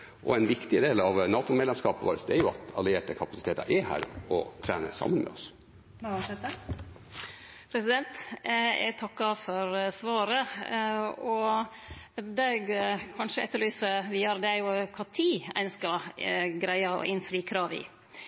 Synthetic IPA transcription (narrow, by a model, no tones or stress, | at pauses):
ʔɔ̰æɪnʋɪkt̪ɪəd̪eːlɑʋnɑːt̪ʊmɛlɛmskɑːpəʋɑ̰ːɾəsd̪ɛɾjʊɑ̰t̪ɑlɪeːʈəkʰɑpɑsɪ̥t̪ʰeːt̪ɑ̰ɾʔɛhæ̰ːɾɔt̪ʰɾæ̰ːnə̰sɑ̰mːənmɛ̰ɔs | ɛt̪ə | pʰɾɛsɪd̪ɛnt̪ɛ̰ɡt̪ʰɑkːɑfɔɾsʋɑːɾə | ɔ | d̪æɡkʰɑnʂəʔɛt̪ːəɭyːsəʋɪjɑːɾd̪ɛæɾjʊkʰɑːt̪ʰiːæ̰ɪnskɑɡɾæɪɑɔ̰ʔɪnfɾiːkʰɾɑːʋɪ̰